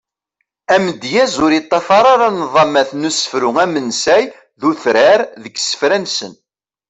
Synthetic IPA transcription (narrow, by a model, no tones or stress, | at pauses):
æmd̪jæzʊɾjit̪ˤːɑfɑɾˤɑɾɑnðˤɑmæθnusə̥fɾʊŋæmənsæj | ðuθɾæɾðəɡsə̥fɾænsən